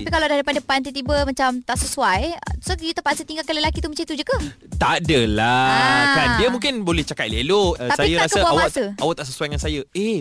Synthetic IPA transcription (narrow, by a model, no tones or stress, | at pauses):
tapikaladahdəpandəpant̪it̪̬ibəmat͡ʃamt̪aʔsəsuajsojut̪əpat̪sat̪iŋɡalkələlakit̪umət͡ʃit̪ud͡ʒuɡə | t̪adəladandiəmũŋkɪnbolɛht͡ʃakat̪̚lelot̪asaijəɾaskəəbaaawat̪əawaʔt̪aʔs̬əsuwajŋansajəe